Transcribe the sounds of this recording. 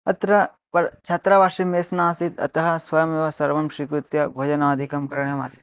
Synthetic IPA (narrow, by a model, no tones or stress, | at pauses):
ɐt̪ɾɐ | pɐɾt͡ʃʰɐt̪ɾɐʋaːʂimeːsnaːsit̪ɐ̰t̪ɐɦɐ̆sʋɐjɐmjeʋɐsɐɾʋɐmʃɾikɾut̪jɐɡʱoːd͡ʒɐnaːɐd̪ʱikɐmkɐɾɐɳjɐma̰ːsi̥t̪̚